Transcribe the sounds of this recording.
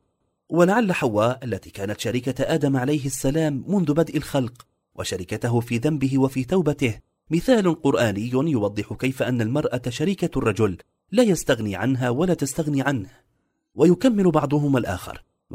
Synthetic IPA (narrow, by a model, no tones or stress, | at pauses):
walaʕalːaħawːaːʔalːat̪iːkaːnat̪ʃaɾikaʔaːd̪amʕalajɦɪsːalaːmːʊnðʊbad̪ʔalxɑlq | wʔa̰ʃaɾɪkat̪aɦʊfiːðambɪɦɪwafiːt̪awbat̪ɪh | mɪθaːlʊqʊɾˤʔaːnɪjːʊjʊwɑd̪ˤːɨħʊkajfaʔanːalmɑɾˤʔaʃaɾiːkarˤːɑd͡ʒʊlː | aːjast̪aɣniːʕanɦaːwalaːt̪ast̪aɣniːʕanh | wajʊkamːɪlʊbɑʕd̪ˤʊɦʊmalʔa̰ːxɪ̰ɾˤ